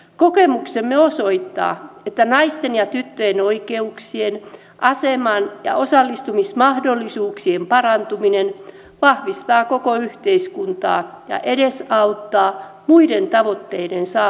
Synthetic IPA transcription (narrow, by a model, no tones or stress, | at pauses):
kokemuksemːeosoit̪ːɑ̰ːet̪ːænɑist̪enjɑt̪yt̪ːøjenoikeuksien | ʔɑsemɑnjɑ̰ʔosɑlːist̪umismɑhdolːisuːksiempɑrɑnt̪uminen | ʋɑhʋist̪ɑːkokoyht̪eiskunt̪ɑ̰ːjɑ̰ʔedesɑut̪ːɑːmuident̪ɑʋot̪ːeidensɑː